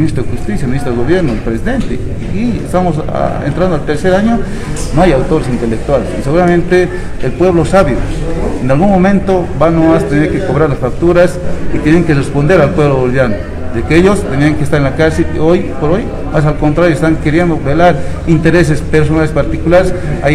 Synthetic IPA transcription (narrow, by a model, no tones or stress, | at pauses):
minist̪ɾoðexust̪isjaminist̪ɾoeɣoβjeɾnoelpɾesiðent̪e | iḛst̪amos̬a̰ḛnt̪ɾand̪oalt̪eɾseɾaɲo | noajawt̪oɾesint̪elek̚t̪walesiseɣuɾamẽnt̪eː | lpweβlosaβjoenalɣunmomẽnt̪obanomast̪eneɾkekoβɾaɾlasfak̚t̪uɾasit̪jeneŋkerespond̪eɾalpweβloolβjano | d̪ekeeʎost̪eniaŋkest̪aɾenlakaɾselojpoɾoj | mas̬alkont̪ɾaɾjoest̪aŋkeɾjend̪obelaɾint̪eɾes̬espeɾs̬onalespaɾt̪ikulaɾesa